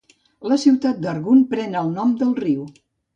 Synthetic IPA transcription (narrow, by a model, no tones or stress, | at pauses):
ləsiwt̪at̪̚d̪əɾɣunpɾɛnəlˠnɔmd̪əlˠriw